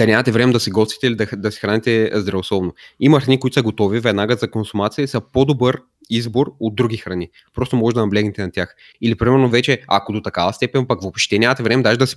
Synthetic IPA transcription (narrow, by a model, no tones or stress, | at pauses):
d̪ɐnʲamɐt̪ɛvɾɛmɛd̪ɐsiɡɔst̪vit̪ɛilʲid̪ɐxd̪ɐsi̥xɾanɛt̪ɛzd̪ɾɐvoslˠɔvnoimɐxɾɐnikoit̪ʊ̥sɐɡot̪ɔvivɛd̪naɡəzɐkonsumat̪sijəisəpod̪obɤɾ | izboɾod̪̚d̪ːɾuɡʲixɾɐni | pɾɔst̪omɔʒɛd̪ɐnɐblʲɛɡnɛt̪ɛnɐt̪ʲjax | ilipɾimɛɾnovɛt͡ʃɛa̰kod̪ot̪ɐkavɐst̪ɛpɛnpɐkvopʃt̪ɛnʲamɐt̪ɛvɾɛmɛd̪aʒɛd̪ɐsi̥